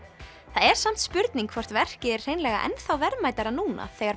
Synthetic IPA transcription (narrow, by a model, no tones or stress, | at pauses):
θaðɛɾ̥sam̥t̪spʏɾt̪niŋkʰvɔr̥t̪vɛr̥cɪɛr̥r̥ejnlɛːɣa̰ʔɛ̰nθawvɛɾmaːjt̪aɾanuːna̰θɛːɣaɾ